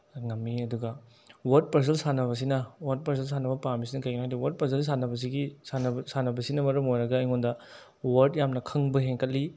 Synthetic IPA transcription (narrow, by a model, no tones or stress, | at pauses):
ŋɐmːiɐduɡɐ | wɐɾd̚pɐɾs̬ɐlsanɐβɐs̬inɐwɐɾd̚pɐɾs̬ɐls̬anɐbɐpamis̬inɐkɐjɡinajdiwɐɾd̚pɐsɐls̬anɐbɐs̬iɡisanɐbsanɐbɐsinɐmɐɾɐmojɾɐɡɐːjŋondɐ | wɐɾdjamnɐkʰɐŋbɐɦeŋkʰɐtlːi